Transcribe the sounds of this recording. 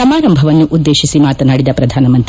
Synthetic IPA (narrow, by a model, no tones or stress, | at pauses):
ɐmaːɾɐmbʱɐʋɐnːuʔud̪ːe̞ːʃisimaːt̪ɐnaːɽid̪ɐpɾɐd̪ʱaːnɐmɐnt̪ɾ